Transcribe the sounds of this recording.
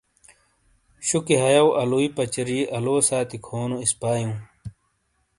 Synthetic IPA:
ɕukiɦɐjɐwʔɐluipɐt͡ɕɐɾiʔɐloːsaːt̪ikʰoːnuispaːjũː

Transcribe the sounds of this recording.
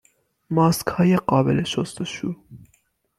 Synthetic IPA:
mɒːskhɒːjeɢɒːbeleʃost̪oʃu

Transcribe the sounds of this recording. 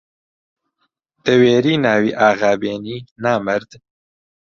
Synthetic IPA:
d̪̥əweːɾinaːwiʔaːɣaːbeːninaːməɾd̪

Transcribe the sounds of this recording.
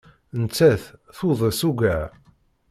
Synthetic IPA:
nt͡sːæθθuðˤəsuɡæʕ

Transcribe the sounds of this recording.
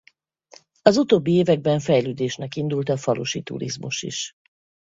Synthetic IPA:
ɒzut̪oːbːieːvɛɡ̚bɛɱfɛjløːd̪eːʃnɛkind̪ult̪ɒfɒluʃit̪ṵɾḭzmṵʃḭʃ

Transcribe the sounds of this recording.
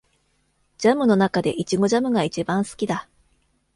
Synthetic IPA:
d͡ʑamɯ̟no̞nakad̪e̞̰ʔit͡ɕiɡo̞ʑamɯ̟ɡait͡ɕibãɰ̃sɨ̥kʲid̪a

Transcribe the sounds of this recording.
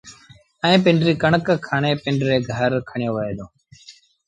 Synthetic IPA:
ɛ̃ːpɪɳɖɾiːkəɳəkkʰːaːɳeːpɪɳɖɾeːɡʱəɾkʰəɳjoːʋeːd̪õː

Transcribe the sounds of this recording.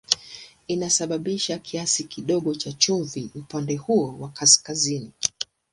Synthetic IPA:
inasaɓaɓiʃakʰiasikiɗɔɠɔt͡ʃat͡ʃuɱviupandɛhuɔwakaskazini

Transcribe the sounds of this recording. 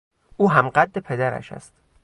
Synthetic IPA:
ʔuːɦæmɢæd̪ːepʰed̪æɾæ̰ʃæ̰st̪

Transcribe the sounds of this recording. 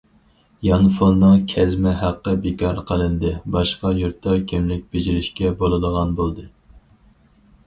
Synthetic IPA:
jɑnfonːɨŋkʲʰɛzmɪɦæqːəbekʰɑɾqʰəlˠɨnd̪ɨbɑʃqɑjuɾt̪ʰːɑkʲʰimlɪk̚ʲb̥ed͡ʒiɾɪʃkʲɛbolˠɨd̪əʁɑnbolˠd̪ɨ

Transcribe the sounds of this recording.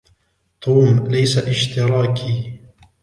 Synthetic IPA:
t̪ˤʰuːmlajsaʔɪʃt̪ɪɾˤɑːkʰiː

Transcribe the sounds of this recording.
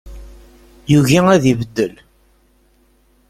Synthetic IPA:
juʝiŋæðivəd̪ːəl

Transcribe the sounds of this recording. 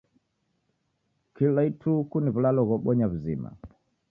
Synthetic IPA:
kilaitʰukuniβulalɔɣɔɓɔɲaβuzḭma̰

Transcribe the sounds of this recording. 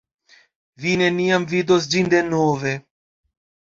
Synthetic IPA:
vine̞niamvid̪os̬d͡ʒind̪e̞nove̞

